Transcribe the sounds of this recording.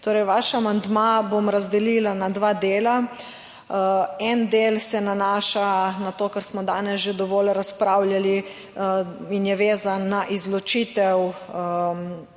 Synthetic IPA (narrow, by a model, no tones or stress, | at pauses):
t̪oːɾɛjʋaʃaːmand̪mabomɾazd̪ɛlilanad̪ʋad̪eːla | ɛnd̪eːlsɛnanaːʃanat̪oːkəɾsmɔd̪aːnɛsʒed̪ɔʋɔːlɾaspɾawljali | injɛʋeːzanːaʔizlɔt͡ʃiːt̪ɛw